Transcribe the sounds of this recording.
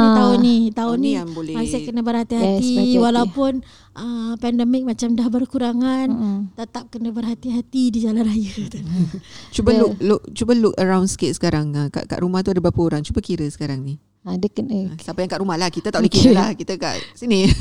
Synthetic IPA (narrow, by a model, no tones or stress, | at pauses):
t̪aʊnit̪aʊniaŋbolɛmasɪhkənəbərɦat̪iɦat̪iwalawpʊn | ʔəpɛndəmɪk̚mat͡ʃamdahbərkuɾaŋant̪ət̪ap̚kənəbərɦat̪iɦat̪idid͡ʒalanrajət̪ | t͡ʃubəlʊk̚luk̚t͡ʃubəlukəɾawnsə̥ket̪̚sə̥kaɾaŋəka̰ʔka̰ʔɾumaht̪uadabapəoɾaŋt͡ʃubəkiɾəsə̥kaɾaŋni | adəkənəsapajaŋkaʔɾumahlahkit̪ət̪aʔudikiɾəlahkit̪əka̰ʔsini